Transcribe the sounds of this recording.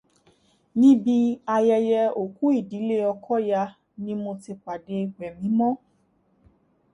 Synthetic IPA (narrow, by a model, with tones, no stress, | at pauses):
nĩ˦bi˦a˧jɛ˧jɛ˧o˨ku˦i˦˨di˨˦le˦ɔ˧kʰɔ˦ja˧ | nĩ˦mo˧ti˧k͡pa˨de˧˨ɡ͡bɛ˨mĩ˨˦mɔ̃˦